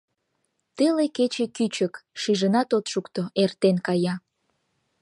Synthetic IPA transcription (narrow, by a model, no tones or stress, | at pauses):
t̪eleket͡ɕekyt͡ɕəkʃiʒənɑt̪ot̪ʃukt̪oert̪enkɑjɑ